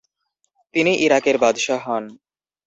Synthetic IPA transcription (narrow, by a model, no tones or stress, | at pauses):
t̪iniʔiɾakeɾbad̪ʃaɦɔn